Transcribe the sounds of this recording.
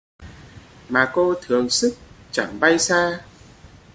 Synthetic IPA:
maː˨˩ko˧t̪ʰɨ˨˩əŋsɨ˦˥k̚t͡ɕa˧˩ŋɓa˧jsaː˧

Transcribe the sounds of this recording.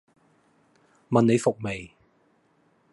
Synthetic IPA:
mɐ˨ne˨˧jfʊ˨˩k̚me˨˩j

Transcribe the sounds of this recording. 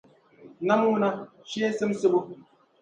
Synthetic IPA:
na˦m˦u˦na˦ | ʃe˦sɨ˦msɨ˦bu˦

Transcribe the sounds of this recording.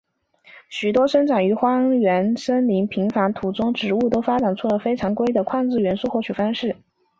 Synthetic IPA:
ɕy˨˩t̪wɔ˥ʂɤ˥ŋʈ͡ʂʰɑ˨˩ŋy˧˥xwɑ˥ɥɛ˧˥nʂə˥nli˧˥ŋpʰi˧˥ŋfa˧˥nt̪ʰu˨˩t͡sʊ˥ŋʈ͡ʂɻ̩˧˥u˥˩t̪o˥ʊfa˥ʈ͡ʂa˨˩nʈ͡ʂʰu˥˩lə˨˩fe˥ɪʈ͡ʂʰɑ˧˥ŋkwe˥ɪd̪ə˨kʰwɑ˥˧ŋt͡sɹ̩˥˩ɥɛ˧˥nsu˥˧xwt͡ɕʰy˨˩fɑ˥ŋʂɻ̩˥˩

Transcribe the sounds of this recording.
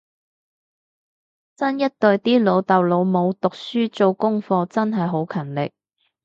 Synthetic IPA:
t͡sɐ˥njɐ˥t̚t̪ɵ˧ɥt̪iː˥lo˨˧wt̪ɐ˨wlo˨˧wmo˨˧wt̪ʊ˨k̚syː˥t͡so˧wkʊ˥ŋfɔː˧t͡sɐ˥nɦɐ˨jɦo˨˥wkʰɐ˨˩nlɪ˨k̚

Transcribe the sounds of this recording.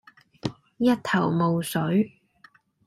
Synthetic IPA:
jɐ˥t̚t̪ʰɐ˨˩wmo˨wsɵ˨˥ɥ

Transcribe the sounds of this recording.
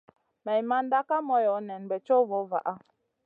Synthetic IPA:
mɛ˨jma˦n̩˦da˦ka˦mɔ˦jɔ˨˦nɛ˨nbɛ˨t͡ʃɔ˦vɔ˨˦va̰˨ʔa˦

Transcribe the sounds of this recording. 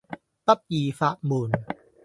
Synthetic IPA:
t̪a˦˥˩p̚jiː˨˩fa˧˨ʔmuː˨n

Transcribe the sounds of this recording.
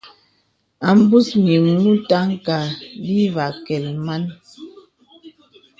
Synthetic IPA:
a˨m̩˦bu˦smi˨mu˦ta˦ŋ˦ka˨li˦va˨kɛ˨lma˦n

